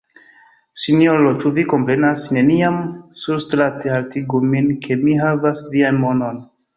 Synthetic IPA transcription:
sinjo̞ɾot͡ʃuviko̞mpɾe̞nasne̞niamsuɾstɾatealtiɡuminkʰe̞miɦavasvianmo̞no̞n

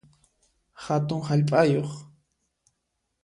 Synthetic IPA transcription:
hat̪ʊŋhaʎpʼajoχ

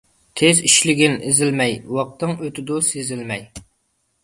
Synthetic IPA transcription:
t̪ʲʰeziʃlɪɡʲɪnɪzɪlmɛjwɑq̚t̪ɨŋøt̪ʰɪd̪ʊsezɪlmɛj

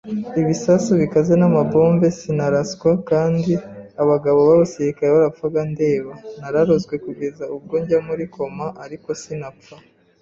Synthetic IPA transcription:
iβisasuβikaze̞namabo̞ːmbe̞sinaɾasɡwakaːndiaβaɡaβo̞βaβasiɾikaɾeβaɾap̪faɡande̞ːβanaɾaɾozɡwe̞kuɡe̞zaub̚ɡoɲɟamuɾikʰo̞maʔaɾiko̞sinapp͡fa

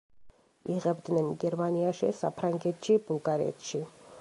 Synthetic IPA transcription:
iʁɛbd̪nɛnɡɛɾmaniaʃḭsa̰pʰɾaŋɡɛt̪ʰʃibulˠɡaɾɛ̰t̪ʃi

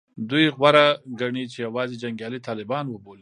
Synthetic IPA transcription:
d̪ujɣwaɾaɡaɳit͡ʃejawɑzed͡ʒaŋɡjɑlit̪ɑlɪbɑnwəboli

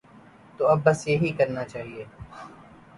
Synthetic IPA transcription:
t̪oːɐbːɐsjeɦikɐɾnat͡ʃaːɦieː

